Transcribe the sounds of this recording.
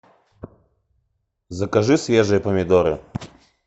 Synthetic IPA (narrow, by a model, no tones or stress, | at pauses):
zɐkɐʐɨsvʲeʐɨjəpəmʲɪd̪oɾɨ̰